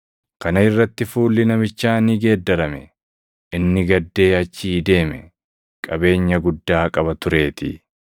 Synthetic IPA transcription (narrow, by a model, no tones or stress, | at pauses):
kɐnɐɪrːɐt̪ːɪfuːlːɪnɐmɪt͡ʃːaːniːɡeːd̪ːɐɾɐmɛ | ʔɪnːɪɡɐd̪ːe̞ːɐt͡ʃːiːd̪e̞ːmɛ | kʼɐbe̞ːɲːɐɡʊd̪ːaːkʼɐbɐt̪ʊɾe̞ːt̪ɪ̰